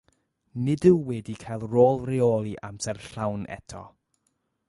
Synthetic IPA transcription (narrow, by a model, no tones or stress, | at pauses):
nɪdɨwwɛdikʰajlˠroːlˠrɪoːlˠiʔamsɛrɬawnʔɛ̰tʰɔ̰